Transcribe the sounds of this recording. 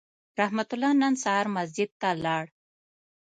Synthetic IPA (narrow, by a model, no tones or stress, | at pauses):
ɾahmat̪ulanansaɑɾmazd͡ʒɪd̪̚t̪alɑːɽ